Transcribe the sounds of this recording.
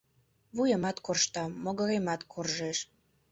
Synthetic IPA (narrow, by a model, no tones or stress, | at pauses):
βujəmɑt̪korʃt̪ɑːoɣə̆ɾemɑt̪kʰorʒeʃ